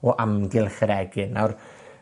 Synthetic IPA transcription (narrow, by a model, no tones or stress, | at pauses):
ɔʔamɡɪlˠχəɾɛɡɨnawr